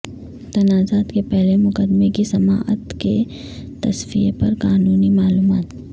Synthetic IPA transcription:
t̪ɐnaːzaːt̪kepɛɦlemʊkəd̪mekisɐmaːʔə̰t̪ke | t̪ɐsfijepɐɾkaːnuːnimaːluːmaːt̪

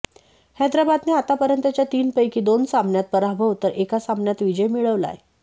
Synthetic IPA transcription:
hɛd̪ɾabad̪neat̪apəɾənt̪jat͡ɕjat̪iːnpəjkiːd̪onsambnjat̪̚pəɾabʱəʋt̪əɾʔekasambnjat̪ʋid͡ʑəjmiɭəʋla̰j

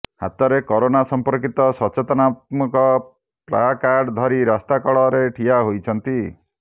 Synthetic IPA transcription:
ha̰t̪ɔɾekɔɾonasɔmpɔɾkit̪ɔsɔt͡ʃet̪ɔnat̪̚mukɔ | pla̰akaɾɖd̪ʱɔɾiɾast̪akɔɭɔɾeʈʰiaɦojt͡ʃʰɔnt̪i

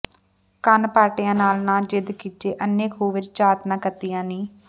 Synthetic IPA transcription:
kənpaːʈɪjãːnaːlnãːd͡ʒɪd̪kiːteːʔənːẽːkʰoːʋɪt͡ʃt͡ʃaːt̪nãːkət̪ijãːniː

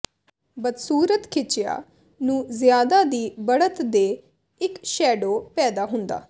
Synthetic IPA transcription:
bəd̪suːɾət̪kʰɪt͡ʃɪja̰ː | nũːzɪjaːd̪aːd̪iːbəɽət̪d̪eː | ɪkʃɛːɖoːpɛːd̪aːɦʊnd̪a̰ː

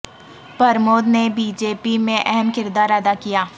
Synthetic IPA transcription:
pɐɾmoːd̪nebiːd͡ʒeːpimẽʔɛɦɛmkɪɾd̪aːɾəd̪akijaː

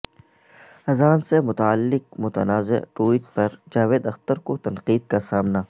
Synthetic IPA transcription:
ɐzaːnsemʊt̪aəlːɪq̚mʊt̪ə̰naːzɪ̰ʈuːiʈ̚pɐɾd͡ʒaːʋeːd̪ɐxt̪əɾkot̪ɐnqiːd̪̚kasaːmna

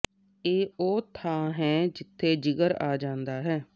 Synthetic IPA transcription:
eːoːt̪ʰaːɦɛːd͡ʒɪt̪ʰːeːd͡ʒɪɡəɾaːd͡ʒãːnd̪aːɦɛː

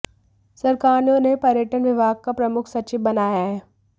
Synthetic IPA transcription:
sɐɾkaːɾnõnepɐɾjəʈənʋɪbʱaːɡ̚kapɾɐmʊkʰsɐt͡ʃɪʋbɐnaːjaɦɛː

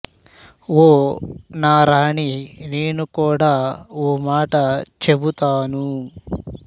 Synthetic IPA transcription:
oːnaːɾaːɳine̞ːnukuːɽaːoːmaːʈɐt͡ʃe̞but̪aːnu

